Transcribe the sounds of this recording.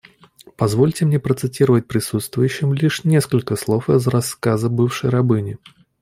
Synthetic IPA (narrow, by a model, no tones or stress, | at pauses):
pɐzvo̞lʲtʲɪmnʲe̞pɾət̪sɨtʲiɾəvət̚ʲpɾʲɪsut̪st̪vʊjʉɕːɪmlʲiʂnʲe̞skəlʲkəslˠo̞fzɾɐskazəbɨfʂəjɾɐbɨnʲɪ